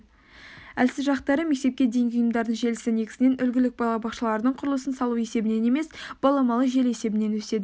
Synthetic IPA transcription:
ælsɪzʒɑqt̪ɑɾəme̞k̚t̪e̞p̚kʲed̪e̞ŋɡʲɪʊjəmd̪ɑɾd̪əɴʒe̞lɪsɪne̞kʲɪ̥sɪne̞nʔʏlɡʲɪlɪk̚bɑlˠɑbɑqʃəlˠɑɾəd̪əɴqʰʊɾəlˠəsənsɑlˠuwe̞se̞bɪne̞ne̞me̞sb̥ɑlˠɑmɑlˠəʒe̞lese̞bɪne̞nwɵse̞d̪ɪ

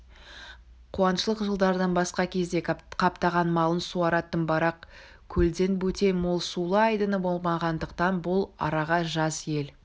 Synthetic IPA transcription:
qʰuɑnʃəlˠəqʒəlˠd̪ɑɾd̪ɑnbɑsqɑkʲʰe̞zd̪ekqʰɑpt̪ɑʁɑnmɑlˠənsuɑɾɑt̪ːənbɑɾɑq | kʲʰɵld̪e̞nbɵt̪e̞jmolˠsulˠəɑjd̪ənəbo̞lˠmɑʁɑnd̪əqt̪ɑnbʊlˠɑ̰ɾɑʁɑʒɑsje̞l

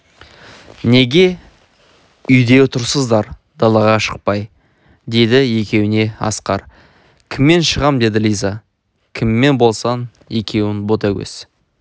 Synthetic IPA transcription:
ne̞ɡʲe̞ | ʏjd̪e̞t̪ʰʊɾsəzd̪ɑɾd̪̥ɑlˠɑʁɑʃə̥q̚pɑj | d̪e̞jd̪ɪje̞kʲe̞wɪne̞ɑ̰sqɑɾ | kʲʰɪmːe̞nʃəʁɑmd̪e̞d̪ɪlʲijzɑ | kʲʰɪmːe̞nbo̞lˠsɑn | je̞kʲʰe̞wɪnbot̪ɑɡʲɵ̰s

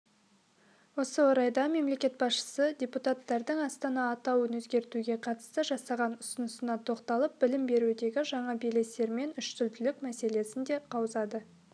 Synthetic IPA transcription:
wo̞səwo̞ɾɑjd̪ɑme̞mle̞kʲe̞t̪̚bɑsʃə̥sədʲeput̪at̪ːɑɾd̪əɴɑst̪ɑnɑːt̪ɑwənwɵzɡʲe̞ɾt̪uɡʲe̞qʰɑt̪ə̥st̪əʒɑsɑʁɑnʊsənəsənɑt̪ʰo̞qt̪ɑlˠəp̚bɪlɪmbe̞ɾud̪e̞ɡʲɪʒɑɴɑbele̞se̞ɾme̞nʏʃsʏlt̪ɪlɪkmæse̞le̞sɪnd̪e̞qʰɑwəzɑd̪ə

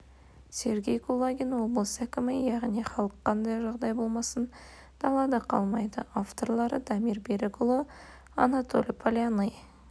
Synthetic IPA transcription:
se̞ɾɡʲe̞jkʰulˠaɡʲinwo̞blˠəsækʲɪmɪjɑʁniχɑlˠəqʰːɑnd̪ɑjʒɑʁd̪ɑjbo̞lˠmɑsən | d̪̥ɑlˠɑd̪ɑqʰɑ̰lˠmɑjd̪əaft̪o̞ɾlˠɑɾəd̪ɑmirbeɾeɡʊlˠo | a̰nat̪ʰo̞̰lʲpʰolʲanəj

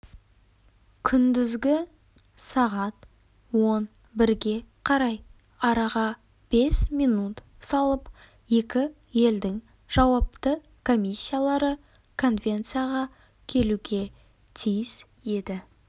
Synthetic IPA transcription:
kʲʰʏnd̪ɪzɡʲɪ | sɑʁɑt̪ | wo̞n | bɪɾɡʲe̞qʰɑɾɑj | ɑɾɑʁɑ | b̥e̞smijnut̪ | sɑlˠəp | je̞kʲɪ | je̞ld̪ɪŋ | ʒ̥ɑwɑp̚t̪ə | kʰo̞mʲisʲːijalˠɑɾə | kʰo̞nvʲe̞nt̪sɨjaʁɑ | kʲʰe̞luɡʲe̞ | t̪ʰijɪz | e̞d̪ɪ

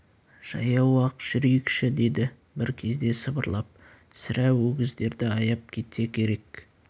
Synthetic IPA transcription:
ʒ̥ɑ̰jɑwɑqʒ̥ʏɾijɪkʃɪd̪e̞d̪ɪ | bɪɾkʲʰe̞zd̪e̞səbəɾlˠɑp̚ | sɪɾæwɵɡʲɪzd̪e̞ɾd̪ɪɑjɑp̚kʲʰe̞t̪e̞kʲʰe̞ɾe̞k

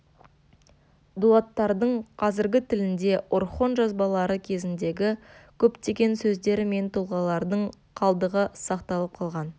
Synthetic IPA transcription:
d̪uat̪ːɑɾd̪əɴqʰɑzɪɾɡʲɪt̪ʰɪlɪnd̪e̞ʔʊɾχo̞nʒɑzbɑlˠɑɾəkʲʰe̞zɪnd̪e̞ɡʲɪkʲʰɵpt̪e̞ɡʲe̞nsɵzd̪e̞ɾɪme̞nt̪ʰulˠʁɑlˠɑɾd̪əɴ | qʰɑlˠd̪əʁəsɑqt̪ɑlˠəp̚qʰɑlˠʁɑn

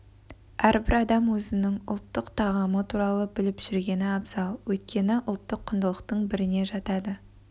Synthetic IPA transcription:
æɾbɪɾɑd̪ɑmwɵzɪnɪŋʊ̰lˠt̪ːəqt̪ʰɑʁɑmət̪ʰuɾɑlˠəbɪlɪpʒ̥ɪɾɡʲe̞nɪɑbzɑlˠwɵjt̪̚kʲʰe̞nɪʔʊlˠt̪ːəqʰːʊnd̪əlˠəqt̪əɴbɪɾɪne̞ʒɑt̪ɑd̪ə

